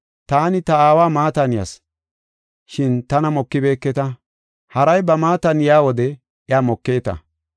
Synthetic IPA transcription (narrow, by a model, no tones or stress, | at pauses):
t̪aːnɪt̪ɐaːwaːmaːt̪ɐnɪjɐ̰s | ʃɪnt̪ɐnɐmɔkːɪbe̞ːkːɛt̪ɐ | hɐɾɐjbɐmaːt̪ɐnjaːwɔd̪ɛ | ʔjaːmɔkːe̞ːt̪ɐ̰